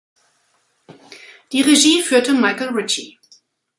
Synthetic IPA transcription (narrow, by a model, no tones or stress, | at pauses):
d̥iːʁeʒiːfyːɐtəmaɪkl̩ʁɪt͡ʃi